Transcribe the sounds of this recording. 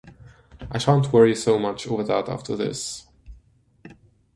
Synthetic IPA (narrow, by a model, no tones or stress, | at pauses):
ʔaɪʃæ̃ntʰwɜɹisoʊmʌt͡ʃoʊvə˞ðəta̰ftʰə˞ðɪ̰s